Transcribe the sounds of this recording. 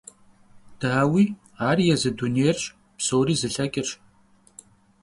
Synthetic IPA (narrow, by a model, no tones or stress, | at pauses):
d̥aːwiː | aːrijɛzɨduneːjrɕʼ | psowɾiːzɨɬɐkʲʼɪrʂ